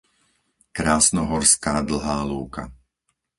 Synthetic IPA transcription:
kɾaːsnɔɦɔɾskaːd̪l̩ˠɦaːluːka̰

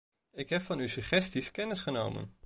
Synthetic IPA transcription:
ɪkɦɛpfɑnysyχɛstiskɛnɪsχəno̰wmə̰n

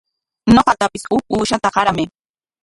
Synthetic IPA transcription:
ɲoqɑt̪apɪsʊuːʃat̪aɢɑɾamɪ

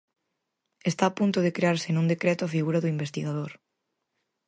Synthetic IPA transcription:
est̪aːpunt̪ʊðekɾeaɾsɪnũnd̪ekɾɛt̪oafiɣuɾɐðʊimbest̪iɣaðoɾ

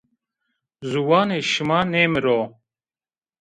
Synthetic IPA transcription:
zuwaːneɕimaːneːmeɾoː

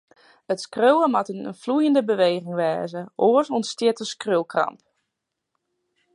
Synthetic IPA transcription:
ətskrøwəmatənənflujəndəbəʋejɣɪŋʋɛːzəʔoəsɔnstjɪtəskrølˠkrɑ̰mp

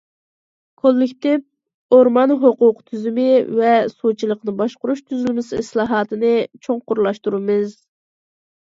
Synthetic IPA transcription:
kʰolˠːɪkʲt̪ɪp̚ | oɾmɑnɦoqʊqt̪ʰyzymɪvɛsut͡ʃʰilˠəqnɨbɑʃqʊɾuʃt̪ʰyzylmɪsɨslˠɑːɦɑːt̪ʰɨnɨt͡ʃʰoŋqʊɾlˠɑʃt̪uɾɨmɨz

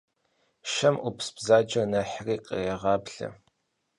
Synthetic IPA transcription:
ʃɐmʔʊpʰsbzaːd͡ʒɐnɐħriːqʼə̰jɛʁɑːbɬɐ̰

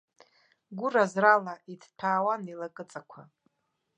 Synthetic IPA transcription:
ɡʷʊrazralaidʰtʰaːwanilakʼɨt͡sʼakʷʰa

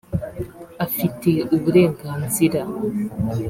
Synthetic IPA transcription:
afiteubɾeɡansiɾa

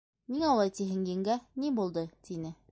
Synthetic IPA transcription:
miŋɑlˠɑjt̪iɦɘ̆ŋjɘ̆ŋɡænibulˠd̪ɤt̪ʰinɘ

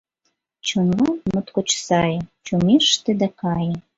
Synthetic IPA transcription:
t͡ɕonlɑmɤ̆t̪kot͡ɕsɑjɤ̆t͡ɕumeʃt̪ĕd̪ækɑjə̆

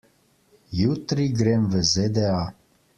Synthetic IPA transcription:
jut̪ɾiɡɾemvəzed̪ea

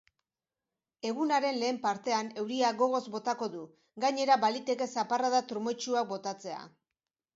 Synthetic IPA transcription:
e̞ɣunaɾe̞nle̞ːmpaɾt̪e̞ane̞wɾiaɣo̞ɣ̞o̞zbo̞t̪ako̞ðu | ɡaɲe̞ɾaβalit̪e̞ke̞saparaðat̪ɾumo̞t͡ʃuakbo̞t̪at͡se̞a̰

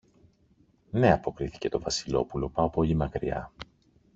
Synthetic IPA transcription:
ne̞ɐpo̞kɾiθi̥ce̞t̪o̞vɐsilo̞̰pulo̞pɐopoʎimɐkɾiɐ̰

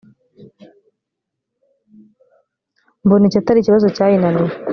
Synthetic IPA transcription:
mbunicataɾiciβazocaːjinani

